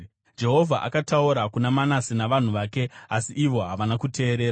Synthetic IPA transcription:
d͡ʒe̞ɦo̞vʱaʔa̰katauɾakunamanasinaʋan̤uʋaːke̞asiʔiʋo̞ɦaʋanakute̞ːɾe̞ːɾa

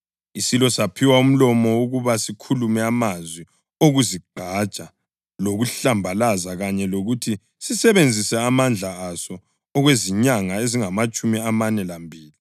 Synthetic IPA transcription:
isilɔsapʰiwaum̩lɔmɔuɣuβasikʰulumɛamazwi | oɣuziɡ͡ǃʱḁt͡ʃʼa | loɣuɬambʱalazaɣaɲɛloɣutʰi | sisɛβend͡zʱisɛamand͡ɮʱaasɔ | ɔɣweziɲaŋaeziŋamat͡ʃʼumiamanɛlambʱiːli

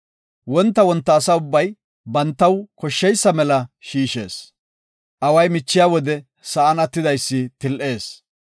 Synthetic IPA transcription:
wɔnt̪ːɐwɔnt̪ːɐːsɐʊbːɐj | bɐnt̪ːɐwkɔʃːɛjsːɐmɛlɐʃiːʃe̞̰ːs | ʔɐwɐjmɪt͡ʃːɪjaːwɔd̪ɛ | sɐʔɐnɐt̪ːɪd̪ɐjsːɪt̪ɪlʔe̞ːs

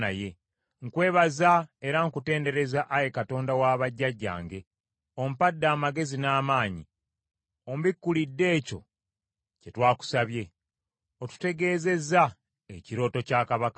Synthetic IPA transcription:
naje̞ | ŋkwe̞ːβazae̞ɾaŋkute̞ːnde̞ɾe̞zaʔaje̞kato̞ːndawaːβaɟːaɟːa̰ːŋɡe̞ | o̞m̩padːaːmaɡe̞zinaːmaːɲi | ombikːulidːe̞ːco̞̰ | ce̞twaːku̥saβje̞ | o̞tu̥te̞ɡe̞ːze̞za | eciɾo̞ːto̞caːkaβaka

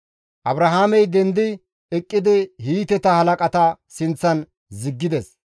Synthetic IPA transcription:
ʔɐbɾɐɦaːmɛjd̪ɛnd̪ɪ | ɛkʼːɪd̪ɪhiːt̪ɛt̪ɐhɐlɐkʼɐt̪ɐsɪnt͡sːɐn | zɪɡːɪd̪ɛs

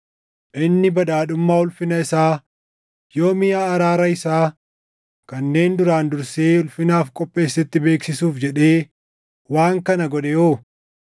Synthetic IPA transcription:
ʔɪnːɪbɐd̪aːᶑʊmːaːʊlfɪnɐɪsaː | jo̞ːmɪjaːɾaːɾɐɪsaː | kɐnːe̞ːnd̪ʊɾaːnd̪ʊɾseːʊlfɪnaːfkʼɔpʼːe̞ːsːɛt̪ːɪbe̞ːksɪsuːfd͡ʒɛᶑe̞ː | waːŋkɐnɐɡɔᶑɛjoː

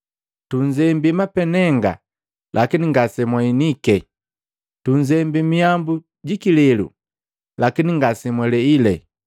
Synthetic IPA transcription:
tuɲd͡ʒɛmbimapɛnɛŋɡa̰ | lʔakiniŋɡasɛmwainikɛ | tuɲd͡ʒɛmbimiambu | ɟikilɛlṵ | lakiniŋɡasɛmwɛlɛilɛ

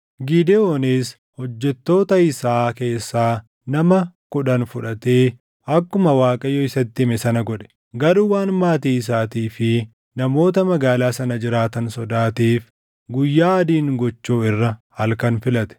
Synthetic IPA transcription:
ɡiːd̪ɛoːneːs | hɔd͡ʒːɛt̪ːo̞ːt̪ɐɪsaːke̞ːsːaː | nɐmɐkʊᶑɐnfʊᶑɐt̪eː | ɐkːʊmɐwaːkʼɐjɔɪsɐt̪ːɪmɛsɐnɐɡɔᶑɛ̥ | ɡɐɾuːwaːnmaːt̪iːɪs̬aːt̪iːfɪ | nɐmo̞ːt̪ɐmɐɡaːlaːsɐnɐd͡ʒɪɾaːt̪ɐnsɔd̪aːt̪iːf | ɡʊjːaːɐd̪iːŋɡɔt͡ʃːuːɪrːɐhɐlkɐnfɪlɐt̪ɛ̥

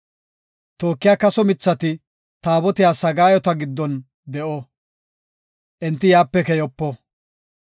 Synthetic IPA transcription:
t̪o̞ːkːɪjaːkɐsɔmɪt͡sːɐt̪ɪ | t̪aːbɔt̪ɪjaːsɐɡaːjɔt̪ɐɡɪd̪ːɔn | d̪ɛʔɔ | ʔɛnt̪ːɪjaːpːɛkɛjɔpːɔ

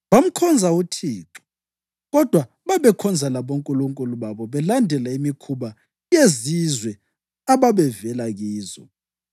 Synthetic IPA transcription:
βam̩kʰɔnd͡zʱautʰiːǁɔ̥ | ɣɔd̥ʱwa | βaβɛkʰɔnd͡zʱalaβoŋkʼuluŋkʼuluβaβɔβɛlandʱɛlaimikʰuβa | jezizwɛ | aβaβɛvɛlaɣiːzɔ̰

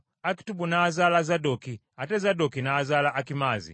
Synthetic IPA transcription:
aki̥tuɓunaːzalazadɔki | atɛzadɔkinaːzalaʔakimaːzḭ

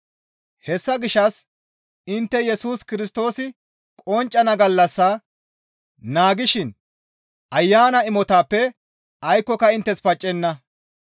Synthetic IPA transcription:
hɛsːɐɡɪʃːɐs | ɪnt̪ːɛjɛsuːskɪɾɪst̪o̞ːsɪ | kʼɔnt͡ʃʼːɐnɐɡɐlːɐsːaː | naːɡɪʃɪn | ʔɐjːaːnɐɪmɔt̪aːpːɛ | ʔɐjkːɔkɐɪnt̪ːɛspɐt͡ʃʼːɛnːɐ

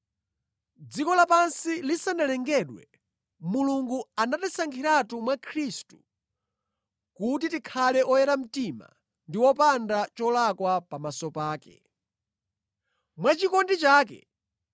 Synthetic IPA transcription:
d͡zikɔlapansilisanalɛŋɡɛɗwɛ̰ | muluŋɡuanatisaŋɡʰiɾatumwakʰɾistu̥ | kutitikʰalɛʔɔjɛɾam̩tima̰ | ndiwɔpandat͡ʃɔlakwapamasɔpaːkɛ̰ | mwat͡ʃikɔndit͡ʃaːk̬ɛ̰

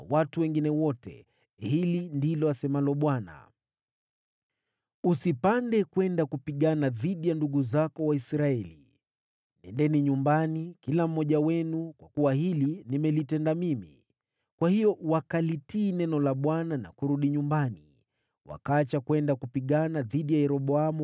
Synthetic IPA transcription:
nawatuwɛŋɡinɛwɔtɛ̰ | hilindilɔasɛmalɔɓwana̰ | usipandɛkwɛndakupiɠanaðiɗijanduɠuzakɔwaisɾaɛlḭ | nɛndɛniɲumbanikilam̩ːɔʄawɛnukwakuwahilinimɛlitɛndamimḭ | kwahijɔwakalitiːnɛnɔlaɓwanana̰kuɾuɗiɲumbanḭ | wa̰kaat͡ʃakwɛndakupiɠanaðiɗijajɛɾɔɓɔamu

